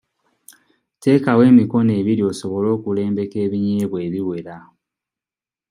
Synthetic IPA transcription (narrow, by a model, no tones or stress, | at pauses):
te̞ːkawe̞ːmiko̞ne̞ːβiɾio̞so̞βo̞lo̞ːkule̞ːmbe̞ke̞ːβiɲeːβwe̞ːβiwe̞ɾa